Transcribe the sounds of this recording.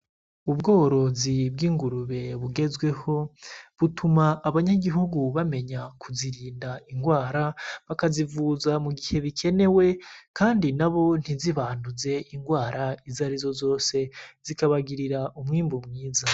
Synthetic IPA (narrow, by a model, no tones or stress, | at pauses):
ubɡo̞ːɾo̞zib̚ɡiːŋɡuɾuβe̞βuɡe̞zɡwe̞ho̞βutʰumaːβaɲaɡiɦuɡuβame̞ɲakʰuziɾiːndaʔiŋɡwaːɾaβakazivuzamuɡihe̞βikʰe̞ne̞we̞kʰaːndinaβo̞n̥hiziβaːnduze̞iŋɡwaːɾaizaɾizo̞zo̞ːse̞z̥ikaβaɡiɾiɾaʔumŋiːmbumŋiːza